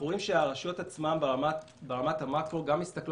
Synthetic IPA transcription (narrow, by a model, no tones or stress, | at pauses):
uimʃeaʁaʃot̪at͡smamat | beʁamat̪hamatkoɡamːist̪akl